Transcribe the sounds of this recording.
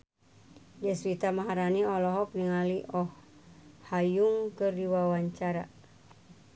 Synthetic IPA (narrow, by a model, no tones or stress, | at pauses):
d͡ʒəswit̪amaɦaɾaniɔlɔɦɔk̚niŋaliʔɔh | hajuŋkɨrdiwawaɲt͡ʃaɾa̰